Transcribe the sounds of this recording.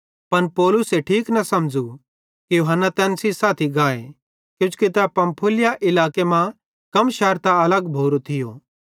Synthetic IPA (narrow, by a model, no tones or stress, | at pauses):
pɐnpɔːlʊseʈʰiːknɐsɐmd͡ʒu | kijoːɦənːat̪ɛːnsisaːt̪ʰiɡaːe | kjʊ̃t͡ʃkit̪ɛpɐ̃mpʰʊlɪjaʔɪlaːkemã | kɐmʃɛːɾt̪aɐləɡbʱoːɾot̪ʰɪjoː